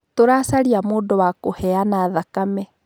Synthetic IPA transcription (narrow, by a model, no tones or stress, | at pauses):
toɾasaɾiamoːdowakohɛanaːðakamɛ